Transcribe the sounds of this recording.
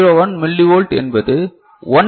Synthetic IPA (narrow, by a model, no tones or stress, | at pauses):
ɾoːʋɐnmɪlːiʋoːlʈɛ̰nbɐðɯ | ɔn